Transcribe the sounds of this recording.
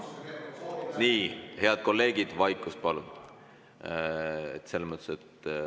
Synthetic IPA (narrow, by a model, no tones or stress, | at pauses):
niːhe̞ɑd̪̥̚ko̞lːe̞ːɡ̥id̪̥vɑjkːˑust̪̚pɑlun̥ | et̪se̞lːemət̪ːˑe̥set̪